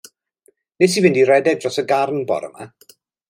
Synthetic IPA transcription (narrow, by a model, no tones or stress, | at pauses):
nesivɪndiɾɛdɛdrɔsəɡarnbɔ̰ɾə̰ma̰